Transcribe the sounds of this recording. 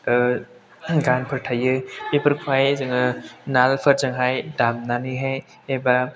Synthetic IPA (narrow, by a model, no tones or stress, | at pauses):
ɡanpʰəɾʈʰajɯpepəɾkʰwajzɯŋɯnalpʰəɾzəŋɦajdamnaniɦe | eba